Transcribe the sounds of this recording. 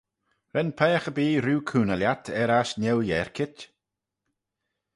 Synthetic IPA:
ɾɛnpʰɛːaxəbiːɾuːkʰuːnaljatʰɛɾaʃnɛljɛɹkʰɪt

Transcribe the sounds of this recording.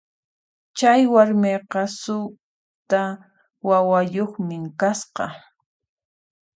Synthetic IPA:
t͡ʃajwaɾmeqɑsʊ | t̪a | wawajoχmɪŋkasqɑ̰

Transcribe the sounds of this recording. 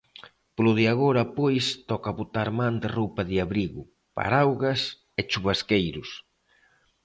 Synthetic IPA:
plʊðiaɣoɾɐpojst̪ɔkaβot̪aɾmãnd̪ɪrowpɐðɪaβɾiɣʊ | pa̰ɾawɣɐs | et͡ʃuβaskejɾʊs

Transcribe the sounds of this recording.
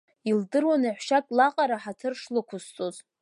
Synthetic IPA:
ildɨrwanaħʷʃakʼlaqʼaɾaħatʰɨrʂlɨkʷʰʊst͡sʼoz

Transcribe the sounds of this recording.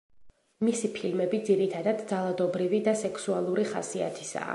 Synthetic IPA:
misipʰilmɛbid̪ziɾit̪ʰad̪ad̪d̪zalˠad̪ɔbɾivid̪asɛksualˠuɾiχa̰sia̰t̪ʰi̥sa̰ː

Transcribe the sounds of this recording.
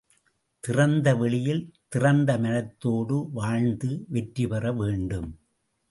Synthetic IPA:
t̪ɪrɐnd̪ɐʋɛɭɪjɪlt̪ɪrɐnd̪ɐmɐɻɐt̪ːoːɽɯʋaːɻnd̪ɯʋɛʈripɐrɐʋeːɳɖɯm

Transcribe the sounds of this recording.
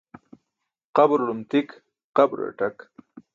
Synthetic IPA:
qabɾlumt̪ik | qabɾə̰ʈak

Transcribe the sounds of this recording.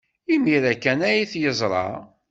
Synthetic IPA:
imiɾækænæjiθjəzˤɾˤɑ̰

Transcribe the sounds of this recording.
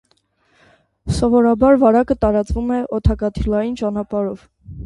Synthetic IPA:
sɔvɔɾɑbɑɾvɑɾɑkət̪ɑɾɑt͡svumɛʔɔt̪ʰɑkɑt̪ʰilɑjint͡ʃɑnɑpɑɾɔv̥

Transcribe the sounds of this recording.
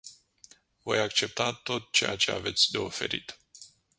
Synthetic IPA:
vo̞jakt͡ʃe̞p̚t̪at̪o̞t̪̚t͡ʃeja̰t͡ʃe̞̰a̰ve̞t̪sʲd̪e̞ofe̞̰ɾḭt̪

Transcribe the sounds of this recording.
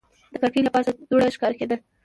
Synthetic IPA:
d̪̥əkakejlapɑsad̪oɽaʃkɑɾked̪əl

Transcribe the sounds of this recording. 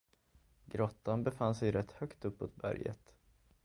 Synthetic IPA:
ɡɾɔt̪ːanbɛfansɛjɾɛt̪ːhœkt̪ɵpːoːt̪̚bæ̰ɾjə̰t̪

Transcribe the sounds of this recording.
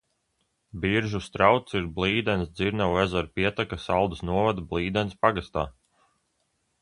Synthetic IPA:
biɾʒust̪ɾawt̪siɾblˠiːd̪ɛnsd̪ziɾnawɛzaɾpiɛt̪akasalˠd̪əsnuɔvad̪blˠiːd̪ɛnspaɡast̪a̰ː

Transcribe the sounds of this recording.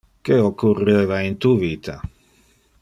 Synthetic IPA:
keokːureːvaint̪uviːt̪ʰa

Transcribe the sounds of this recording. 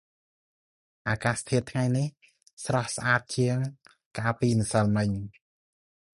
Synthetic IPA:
ʔaːkaːst̪ʰiət̪ʰŋajnih | srɑhsʔaːt̪̚t͡ɕiəŋ | kaːpiːnɨsəlmɨɲ

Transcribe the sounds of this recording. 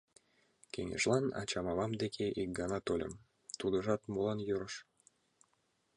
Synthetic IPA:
kʲeŋḛʒlɑnɑ̰t͡ɕɑmɑβɑmd̪ekʲʰeʔik̚ɡɑnɑt̪olʲə̰m | t̪ud̪ə̆ʒɑt̪molˠɑnjøɾəʃ

